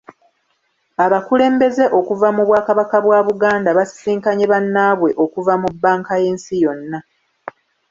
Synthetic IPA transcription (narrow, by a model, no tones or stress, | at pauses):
aβakule̞ːmbe̞ze̞ʔo̞kuvamuβwaːkaβakaβwaːβuɡaːndaβasi̥siːŋkaɲeβanːaβwe̞ʔo̞kuvamubːaːŋkaje̞ːnsijo̞nːa